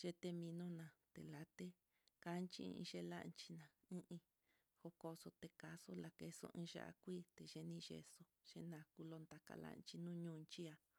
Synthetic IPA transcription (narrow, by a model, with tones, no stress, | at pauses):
ʒ̥e˦t̪e˧mĩ˧nõ˦nã˨t̪ḛ˨la˨t̪e˦ | ka˦nt͡ʃḭ̃˧ḭ̃˧ʃe˧la̰˦˧nt͡ʃi˧nã˨ | ĩ˦ʔĩ˧ | ho˧ko˧so˧t̪e˧ka˧so˦la˨ke˧so̰˧ʔĩ˧˦ʒa̰˦ʔa̰˧kʷiː˦˨t̪e˨ʒe˧nĩ˧ʒḛ˧so˧ʒ̥e˧nã˧ku˧lo˧nd̪a˧ka̰˧la̰˦ʔnt͡ʃi˧nũ˦˧ɲũː˦˧˨nt͡ʃi˦a˧